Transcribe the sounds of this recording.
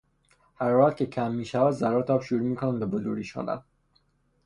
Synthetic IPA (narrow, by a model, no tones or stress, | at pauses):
hæɾvæʁt̪̚kʰecʰæmːiːʃævæd̪zæɾɒːt̪ʰɒbʃuɾuːmiːkʰonæmbeboluɾiːʃo̰ːnæ̰m